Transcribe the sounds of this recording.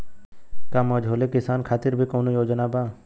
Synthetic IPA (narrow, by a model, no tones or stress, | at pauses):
kaməd͡ʒʱɦoːlekɪsaːnkʰaːt̪ɪɾbʱikoːnojoːd͡ʒnabaː